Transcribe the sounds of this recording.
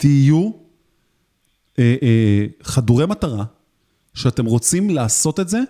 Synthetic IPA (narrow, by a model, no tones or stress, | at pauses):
tiju | eʔχaduʁemataʁa | ʃeat̪e̞mʁo̞t͡simlaːso̞t̪e̞tze̞